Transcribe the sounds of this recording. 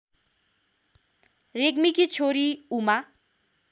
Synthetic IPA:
reɡmikit͡sʰoɾiuma

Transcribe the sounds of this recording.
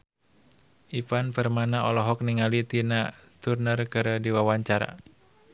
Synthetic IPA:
ʔifanpərmanaʔɔlɔɦɔk̚niŋalit̪inat̪urnərkɨɾdiwawaɲt͡ʃaɾa̰

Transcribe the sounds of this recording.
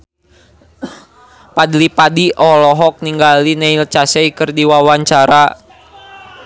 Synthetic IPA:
padlipadiʔɔlɔɦɔk̚niŋɡalinɛilt͡ʃasɛikɨrdiwawaɲt͡ʃaɾa

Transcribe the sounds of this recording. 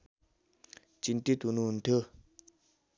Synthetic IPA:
t͡ɕint̪it̪ununt̪ə

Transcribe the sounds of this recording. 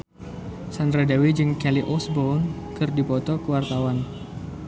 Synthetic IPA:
sanradawid͡ʒɨŋkɛliʔɔsbɔnkɨrdipɔt̪ɔkəwart̪awan

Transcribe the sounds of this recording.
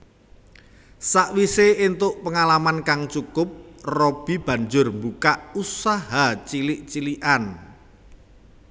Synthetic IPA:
saʔwiseːnt̪ʊʔpəŋalamankaŋt͡ʃukʊp̚rob̥i̤b̥a̤ɲd͡ʒʊrmbukaʔusaɦat͡ʃilɪʔt͡ʃiliʔan

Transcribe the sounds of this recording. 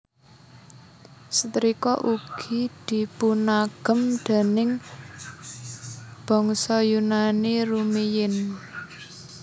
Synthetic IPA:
sət̪ɾikɔʔuɡ̥i̤d̪̥i̤punaɡ̥ə̤md̪̥e̤nɪŋ | b̥ɔ̤ŋsɔjunanirumijɪn

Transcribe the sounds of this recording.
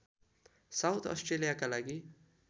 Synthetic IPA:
sawt̪ʰɔ̰sʈɾelijakalaɡi

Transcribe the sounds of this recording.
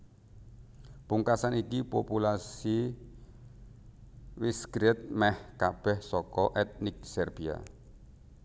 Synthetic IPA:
puŋkasanikipopulasi | wiskɾɪt̪̚mɛhkab̥ɛhsɔkɔʔɛt̪̚nɪk̚sɛrb̥ia̰

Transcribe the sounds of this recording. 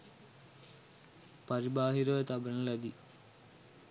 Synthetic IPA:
paɾibaːɦiɾoʋɐt̪ɐbɐnɐlɐd̪i

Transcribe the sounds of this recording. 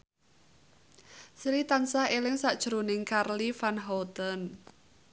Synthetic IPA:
sɾit̪ansahelɪŋsaʔd̥ʒ̥ɾonɪŋkarlifanɦɔt̪ən

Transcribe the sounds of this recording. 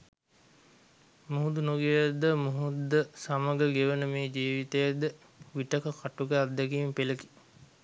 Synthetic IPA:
muɦud̪unoɡejəd̪əmuɦud̪ːəsaməɡəɡeʋənəmeːd͡ʒiːʋit̪ejəd̪ə | ʋiʈəkəkaʈukəad̪ːɛɡiːmpeləki̥

